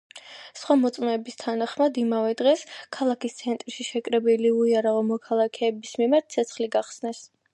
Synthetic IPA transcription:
sχwamɔt̪sʼmɛːbist̪ʰanaχmad̪imavɛd̪ʁɛskʰalˠakist̪sʰɛnt̪ʼɾʃiʃɛkʼɾɛbiliuiaɾaʁɔmɔkʰalˠakʰɛːbismimaɾt̪̚ʰtsʰɛt̪sʰχliɡaχsnɛs

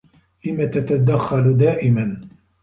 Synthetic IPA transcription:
lɪmat̪at̪ad̪axːald̪aːʔɪman

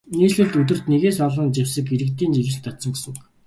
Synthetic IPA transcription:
niːɮɘ̆ɮt̪ɵt̪̬ɵ̆r̥t̪neɣeːsɔɮə̆nt͡ɕiwsə̆keɾɘ̆kt̪iːnt͡ɕiɣɘ̆ɬt̪ɔt̪sɞ̆ŋɡusɵ̆ŋ

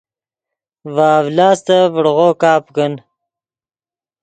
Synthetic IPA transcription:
waːvlaːst̪avəɽʁoːkaːpkən

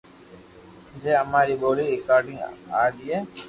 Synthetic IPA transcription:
d͡ʒeːəmaːɾiːboːliːɾɪkaːɾɖĩŋa̰ːd̪iːeː

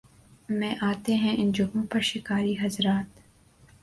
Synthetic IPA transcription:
mɛ̃ːʔaːt̪eɦɛ̃ʔɪnd͡ʒʊɡõpɐɾʃɪkaːɾiɦɐzɾaːt̪

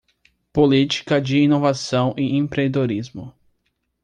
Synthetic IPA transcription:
polit͡ʃi̥kɐd͡ʒɪinovasɐ̃w̃ʔɪẽpɾed̪oɾizmʊ

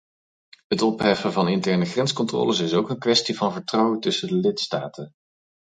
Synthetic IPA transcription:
ɦətɔpɦɛfəvɑnɪntɛɹnəχrɛnskɔntrɔ̰ːləsɪsowkənkʋɛstivɑnvəɹtrɑwətɵsədəlɪtstaːtən

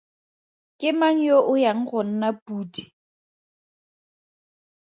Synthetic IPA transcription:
kʼɪmaŋ̩joʔʊjaŋ̩ɣʊn̩napʼuːti̥

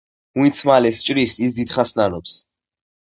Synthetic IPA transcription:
uit̪sʰmalɛst͡ʃʼɾisis̬d̪id̪χasnanɔps

